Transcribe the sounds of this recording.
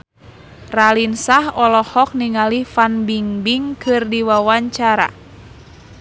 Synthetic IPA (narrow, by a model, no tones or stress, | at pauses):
ralinsahɔlɔhɔk̚niŋalifanbiŋbiŋkɨrdiwawaɲt͡ʃaɾa̰